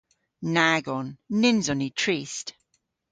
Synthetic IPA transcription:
naɡɔnːɪnzɔnitʰɹ̥ist

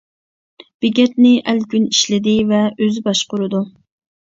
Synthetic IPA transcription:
b̥ɪɡʲɛt̪nɪʔælkʲyniʃlɪd̪ɪvɛøzɪbɑʃqʊɾɨd̪u

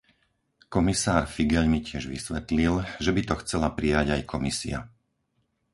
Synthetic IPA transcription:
kɔmisaːɾfiɡɛʎmicɪɛʒʋisʋɛt̪lilʒɛbit̪ɔxt͡sɛlapɾijaɟajkʰɔmisḭa̰

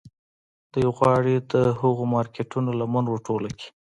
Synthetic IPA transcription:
d̪̥əjwɣwɑɽid̪əhəɣomɑɾkeʈunolamanwoʈolaki̥

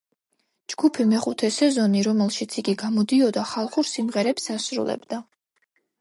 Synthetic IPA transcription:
d͡ʒɡ̥upʰimɛχut̪ʰɛsɛzɔniɾɔmɛlˠʃit̪sʰiɡiɡamɔd̪iɔd̪aχalˠχuɾsimʁɛɾɛpsasɾṵlɛ̰bd̪a

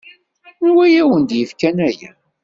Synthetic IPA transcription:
wæjæwənd̪jəfkænæjæ̰

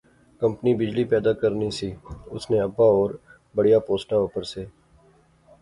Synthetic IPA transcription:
kə̃mpnibɪd͡ʒlipɛːd̪aːkəɾnisiːʊsnẽəbːaːɔːɾ | bəɽijaːpoːsʈaoːpəɾseː

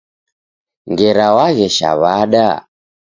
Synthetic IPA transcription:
ŋɡɛɾawaɣɛʃa̰βaɗa

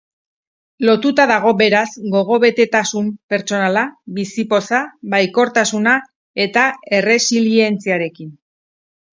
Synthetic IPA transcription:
lo̞t̪ut̪aðaɣ̞o̞be̞ɾazɡo̞ɣ̞o̞βe̞t̪e̞t̪asumpe̞ɾt͡so̞nalaβisipo̞saβajko̞ɾt̪asuna | e̞t̪ae̞re̞silie̞nt͡siaɾe̞kin

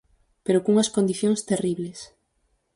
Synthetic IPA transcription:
peɾokuŋɐskond̪iθjoŋst̪eriβles

